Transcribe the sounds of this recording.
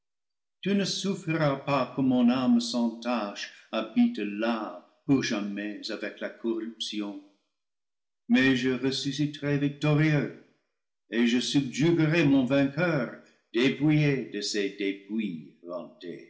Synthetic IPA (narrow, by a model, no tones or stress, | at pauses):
tynəsufʁiɾapakəmɔ̃namsɑ̃taʃabitla | puʁʒamɛzavɛklakʰɔʁypsjɔ̃ | mɛʒəʁəsysitəʁɛvik̚tɔʁiø | eʒəsybʒyɡəʁemɔ̃vɛ̃kœːʁ | d̥epujedəsedepwilɑ̰̃tḛ